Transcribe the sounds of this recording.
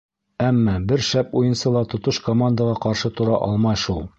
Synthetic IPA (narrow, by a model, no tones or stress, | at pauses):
æmːɑbɘɾʃæpujɤ̆nsɤlˠɑt̪ŏt̪ɤʃkomand̪əʁɑqɑɾʃɤt̪ŏɾɑʔɒlˠmɑjʃulˠ